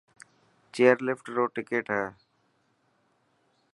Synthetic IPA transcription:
t͡ʃeːəɾlɪfʈɾoːʈɪkeːʈɦɛː

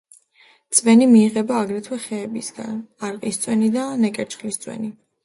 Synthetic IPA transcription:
t̪sʼvɛnimiːʁɛbaːɡɾɛt̪ʰwɛχɛːbisɡ̥a̰naɾqʼist̪sʼwɛnid̪anɛkʼɛɾt͡ʃχlist̪sʼwɛ̰ni

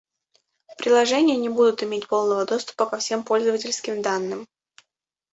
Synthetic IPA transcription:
pɾʲɪlˠɐʐɛnʲɪjənʲɪbud̪ʊt̪ɪmʲet̚ʲpo̞lˠnəvəd̪o̞st̪ʊ̥pəkɐfsʲe̞mpo̞lʲzəvətʲɪlʲskʲɪmd̪anːɨm

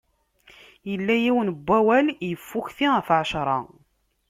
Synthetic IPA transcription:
jəlːæjiwənbʷːæwæljəfːʊçθiəfʕʃɾˤɑ̰

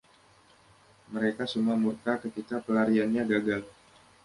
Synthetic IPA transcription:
məɾekasəmuamurk̪akət̪ikapəlaɾianɲaɡaɡal

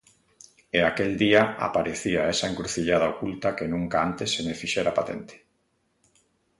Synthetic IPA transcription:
eakeld̪iaa̰paɾeθiaɛsaeŋkɾuθiʎaðaokult̪akenũŋkaant̪esːemefiʃɛɾapat̪ḛnt̪e̥

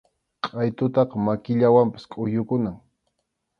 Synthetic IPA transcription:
qʼɑjt̪ʊt̪ɑqɑmakɪʎawampḁskʼʊjʊkʊnaŋ

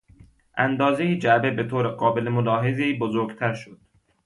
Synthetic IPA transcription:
ʔænd̪ɒːzejid͡ʒæbebet̪ʰoːɾeɡɒːbelemolɒːɦezeiːbozoɾɡt̪ʰæɾʃod̪̥

